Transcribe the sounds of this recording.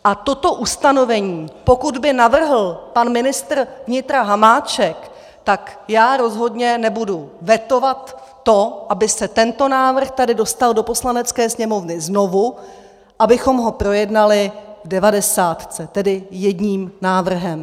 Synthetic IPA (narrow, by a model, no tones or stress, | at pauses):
ʔat̪o̞t̪o̞ʔust̪ano̞vɛɲiːpo̞kud̪bɪnavr̩ɦl̩panmɪnɪst̪r̩vɲɪt̪ɾaɦamaːt͡ʃɛk | t̪akjaːɾo̞zɦo̞dɲɛnɛbuduvjɛt̪o̞vat̪ː | o̞ʔabɪsɛt̪ɛnt̪o̞naːvr̩xt̪adɪdo̞st̪aldo̞po̞slanɛt͡skɛːsɲɛmo̞vnɪzno̞vu | ʔabɪxo̞mɦo̞pɾo̞jɛdnalɪvdɛvadɛsaːt̪t͡sɛt̪ɛdɪjɛdɲiːmnaːvr̩ɦɛm